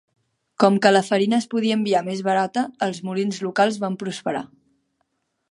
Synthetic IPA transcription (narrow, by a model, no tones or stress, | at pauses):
kɔmkələfəɾinəːspuðiəmbiamezβəɾat̪əːlˠzmulinzlukalˠzβampɾuspəɾa̰